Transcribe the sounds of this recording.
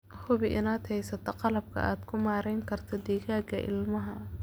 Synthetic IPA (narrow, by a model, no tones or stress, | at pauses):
hʊβɪʔɪnaːd̪hɛjsɐt̪ʰɔqɑlɐb̚kʰɐ̰aːd̪kʰʊmaːɾɛjŋkʰɐrt̪ʰɔd̪ɛːɣaːɡɐ̰ʔɪ̰lmɐɦɐ